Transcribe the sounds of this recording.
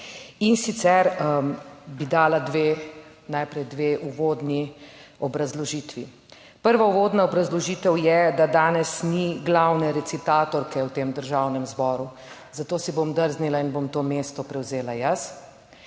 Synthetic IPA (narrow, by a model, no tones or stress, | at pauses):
insit̪sɛɾ | bid̪aːlad̪ʋeː | najpɾɛjd̪ʋeːʔuʋoːd̪niɔbɾazlɔʒiːt̪ʋi | pəɾʋauʋoːd̪naɔbɾazlɔʒiːt̪ɛwjɛd̪ad̪aːnɛsniɡlawnɛɾɛt̪sit̪aːt̪ɔɾkɛwt̪eːmd̪əɾʒaːwnɛmzbɔːɾu | zat̪oːsibomd̪əɾznilainbomt̪oːmeːst̪ɔpɾɛwzeːlajɐs